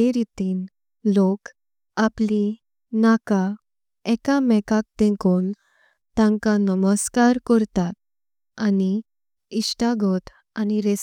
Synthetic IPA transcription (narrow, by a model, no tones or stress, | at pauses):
eɾit̪iːn | lok | apli | naka | ɛkamɛkak̚t̪ẽkoːn | t̪ãŋkanəməskaɾkɔɾt̪at̪̚ | ani | iɕʈaɡʱɔt̪ | aniɾes